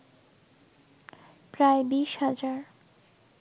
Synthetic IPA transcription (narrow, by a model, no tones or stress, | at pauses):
pɾaebiʃhad͡ʑaɾ